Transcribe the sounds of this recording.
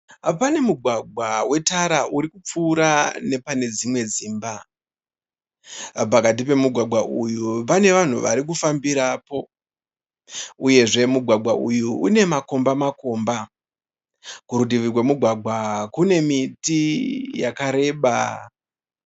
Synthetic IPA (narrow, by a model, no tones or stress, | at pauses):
pane̞muɡʱwaɡʱwawe̞taɾaʔuɾikup͡fuːɾane̞pane̞d͡zimwe̞ziːmba | pakat̬ipe̞muɡʱwaɡʱwaʔujupane̞ʋan̤uʋaɾik̬ufambiɾaːpo̞ | uje̞ʐe̞muɡʱwaɡʱwaʔujuune̞mako̞mbamako̞mba | kuɾudiʋirwemuɡʱwaɡʱwakune̞mitijakaɾe̞ːɓa